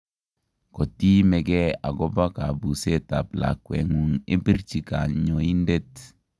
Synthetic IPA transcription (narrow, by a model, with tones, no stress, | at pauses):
kɔ˨ti˦mɛ˨ɡɛ˦a̰˨ɡɔ˦ba˦ka˨bu˨se˦ta̰˨pla̰˨kːwɛ̰˨ŋu˨ŋe˦bi˦ɾt͡ʃi˨ka˨ɲɔ˨i˦nde˦t